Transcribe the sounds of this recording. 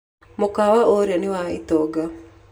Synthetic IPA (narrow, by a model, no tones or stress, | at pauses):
mokawaʔoɾjanɪwaɪ̰t̪ɔɡa